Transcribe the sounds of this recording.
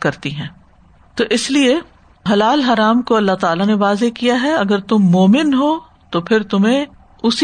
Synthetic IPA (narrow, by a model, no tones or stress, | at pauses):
kɐɾt̪iɦɛ̃ː | t̪oːʔɪslie | ɦɐlaːlɦɐɾaːmkoɐlːaɦt̪aːlaneʋaːzekijaɦɛɐɡəɾt̪ʊmːoːmɪnɦoː | t̪opʰɪɾt̪ʊmẽ | ʊs